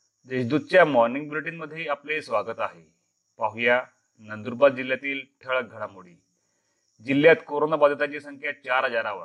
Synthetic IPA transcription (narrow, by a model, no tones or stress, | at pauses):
d͡zeɕd̪ud̪̚t͡ɕjamɔɾniŋɡ̚bɾiʈinməd̪ʱːjeaplesʋaɡət̪aɦḛ | paɦja | nənd̪uɾbad̪̚d͡ʑiljat̪iːlʈʰəɭəɡʱəɽ̃amuɽiː | d͡ʑilːjat̪koɾonabad̪ʱət̪at͡ɕisəŋkʰjat͡ɕaɾɦəd͡zaɾaʋə̰ɾ